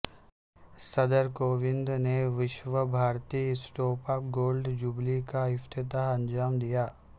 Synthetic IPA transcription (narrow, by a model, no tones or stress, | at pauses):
sɐd̪əɾkoːʋɪ̃nd̪neʋɪʃʋəbʱaːɾt̪iːsʈoːpaːpɡoːlɖd͡ʒublikaɪft̪ɪt̪aɦɐ̃nd͡ʒaːmd̪ijaː